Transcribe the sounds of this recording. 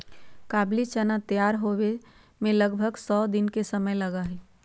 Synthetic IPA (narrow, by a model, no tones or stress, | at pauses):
kaːblit͡ʃənat̪əjaːɾɦowe | mẽləɡbʱəɡsɔːd̪ɪnkesəməjlɐɡaɦɛ